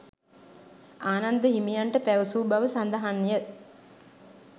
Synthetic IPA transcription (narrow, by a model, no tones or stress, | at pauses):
aːnand̪əɦimijaɳʈəpæʋəsuːbaʋəsand̪aɦanːijə